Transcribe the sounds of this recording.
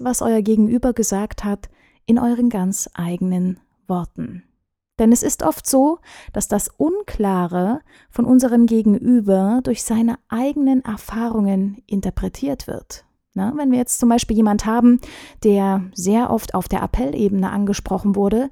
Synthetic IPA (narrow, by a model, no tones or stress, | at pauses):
vasʔɔ̰ʏɐɡeːɡŋ̩ʔyːbɐɡəzaːkthat | ʔɪnʔɔʏʁ̞ənɡant͡sʔaɪɡənən | v̥ɔɐtn̩ | d̥ɛnɛsɪstʔɔftz̥oːd̥asd̥asʔʊnkʰlaːʁə | fɔnʔʊnzəʁ̞əmɡeːɡŋ̩ʔyːbɐdʊɐçz̥aɪnəʔaɪɡənənʔɛ̰ɐfaːʁʊŋənʔɪntɐpʁ̥ɛtʰiːɐtv̥ɪ̰ɐt | navɛnviːɐjɛt͡stt͡sʊmbaɪʃpiːljeːmanthaːbm̩d̥eːɐzeːɐʔɔftʰa̰ʊfd̥eːɐʔa̰pʰɛlʔḛːbənəʔanɡəʃpʁ̥ɔχn̩vʊɐɾə